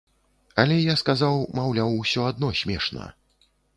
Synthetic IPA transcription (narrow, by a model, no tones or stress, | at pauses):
ɐlʲɛjaskazawmawlʲawusʲɔad̪̚nɔsʲmʲɛʂnɐ̰